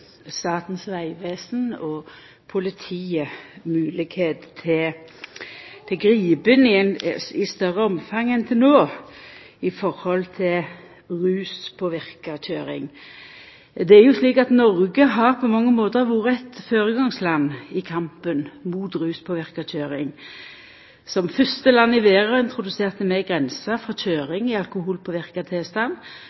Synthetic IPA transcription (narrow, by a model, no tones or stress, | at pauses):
st̪ɑːt̪nsʋæɪʋeːsnɔ | pʰʊlɪt̪ʰiːəmʉːlɪɡheːt̪t̪ʰɪ | t̪ʰɪɡɾiːbənɪnɪst̪œɾəɔmfɑŋːənt̪ʰɪlnoː | ɪfɔɾhɔlt̪ʰɪl | ʁʉːspʰoːʋɪʁkəc͡çøːɾɪ̰ŋ | d̪ɛæʁjʊsliːkɑt̪nɔʁɡəɦɑʁpʰɔmɑŋːəmoːt̪əʋuːɾəɛt̪føːɾəɡɑŋslɑnːɪkʰɑmpənmuːt̪ɾʉːspʰoːʋɪʁkəc͡çʰøːɾɪŋ | sɔmfœst̪əlɑnːɪʋeːʁəɪnt̪ʰʁʊd̪ʉseːʁt̪əmɛɡʁɛnsəfʁɔc͡çøːʁɪŋɪɑlkʊhuːlpʰɔʋɪʁkɑt̪ʰeːst̪ɑnː